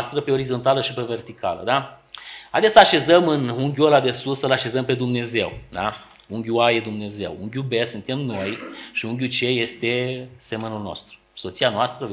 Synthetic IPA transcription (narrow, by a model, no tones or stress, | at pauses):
st̪ɾəpeo̞ɾizo̞nt̪aləʃipe̞ve̞rt̪ika̰lə̰d̪a | ad̪esəaʃe̞zəmɨnuŋɡʲuolad̪esulsəlaʃe̞zəmpe̞d̪umne̞ze̞̰wd̪a̰ | uŋɡʲuajed̪umne̞ze̞̰wṵŋɡʲubesɨnt̪emno̞jʃiuŋɡʲut͡ʃe̞je̞st̪e̞semenulno̞̰st̪ɾu̥ | so̞t̪sianoast̪ɾə